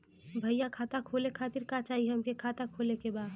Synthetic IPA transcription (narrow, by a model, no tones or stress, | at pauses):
bʱɐjakʰaːt̪akʰoːlekʰaːt̪iɾkat͡ʃaːɦiɦɐmkekʰaːt̪akʰoːlekebaːd̪